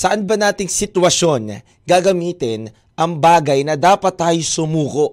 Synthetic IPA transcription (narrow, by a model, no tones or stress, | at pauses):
sɐʔanbɐnaːt̪ɪŋsɪt̪wɐʃo̞n | ɡaɡɐmiːt̪ɪn | ʔɐŋbaːɡɐjnɐd̪aːpɐt̪ːaːjosʊmuːkoʔ